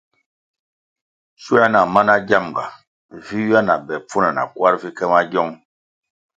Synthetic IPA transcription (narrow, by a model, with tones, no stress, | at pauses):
su˦a˦na˨ma˦na˦ɟa˦˨mɡa̰˨ | vi˦wi˦a˦na˨bɛ˨p͡fu˦na˨na̰˨kwa˦ɾvi˦kɛ˦ma˦ɟɔ˦ŋ